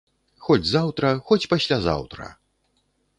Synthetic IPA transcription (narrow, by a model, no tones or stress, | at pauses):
xɔd͡zʲzawt̪ɾɐxɔt͡sʲpasʲlʲaza̰wt̪ɾɐ̰